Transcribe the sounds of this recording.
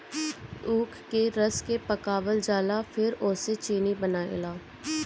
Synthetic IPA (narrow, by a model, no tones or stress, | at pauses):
uːkʰkeɾəskepəkaːbəld͡ʒaːlafʰɪɾʊːset͡ʃiːnibənaːḛlaː